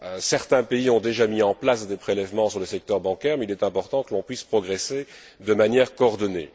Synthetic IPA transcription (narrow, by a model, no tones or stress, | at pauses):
øsɛʁt̪ɛ̃peiɔ̃d̪eʒamiɑ̃plasd̪epχelɛvmɑ̃syʁləsɛk̚t̪œʁbɑ̃kʲɛːʁmeilɛt̪ɛ̃pɔʁt̪ɑ̃kəlɔ̃pɥispχɔɡʁese | d̪əmanjɛːʁkoːʁd̪ɔnḛ